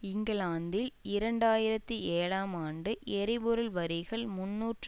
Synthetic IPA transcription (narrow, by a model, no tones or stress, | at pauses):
ɪŋɡɐlaːnd̪ɪlɪɾɐɳɖaːjɪɾɐt̪ːieːɻaːmaːɳɖɯʔɛɾɪbʊɾɯlʋɐɾɪɣɐɭmʊnːuːʈr